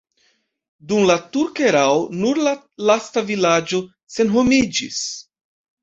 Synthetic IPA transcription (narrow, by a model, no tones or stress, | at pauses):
dumlatuɾkeɾawonuɾla | lastavilad͡ʒo̞ | se̞nɦo̞mid͡ʒḭs